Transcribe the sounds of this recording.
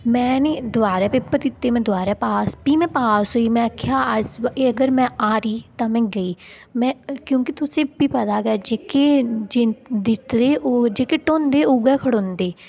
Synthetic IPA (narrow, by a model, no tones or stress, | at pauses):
mɛ̃ːneːd̪ʊaːɾɛːpepət̪ɪt̪ːeːmɛ̃ːd̪ʊaːɾɛːpaːspiːmɛ̃ːpaːsɦoːiːmɛ̃ːkʰjaːəd͡ʒeːəɡəɾmɛ̃ːaːɾiːt̪ãːmɛ̃ːɡəiː | mɛ̃ːkjõːkit̪ʊsẽːpiːpəd̪aːɡaːd͡ʒeːkeːd͡ʒed̪ɪt̪d̪eːʔoːd͡ʒeːkeːʈoːnd̪eːoːɡɛːkʰəɽõːnd̪eː